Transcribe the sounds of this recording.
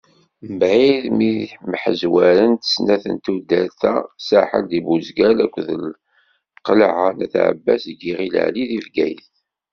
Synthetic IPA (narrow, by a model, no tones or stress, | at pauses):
mbʕiðmiməħəzwæɾənt̪ə̥snæθə̰nt̪ud̪æθæ̰saħə̰ld̪ibuzɡælækʷːðəl | qəlʕanæθʕə̰bːæ̰sɡiʁilə̰ʕliðivɡæjθ